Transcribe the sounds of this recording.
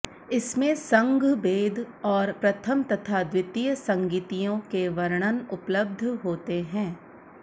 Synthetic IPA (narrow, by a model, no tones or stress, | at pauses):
ɪsmẽsɐ̃ŋɡʱbeːd̪ʱ | ɔːɾpɾɐt̪ʰəmt̪ɐt̪ʰad̪wɪt̪ijəsɐ̃ŋɡiːt̪ijõkeʋɐɾɽ̃ənʊpləb̚d̪ʱɦoːt̪eɦɛ̃ː